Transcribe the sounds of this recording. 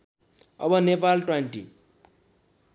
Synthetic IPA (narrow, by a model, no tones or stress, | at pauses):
ʌ̰bʌnepalʈweɳʈḭ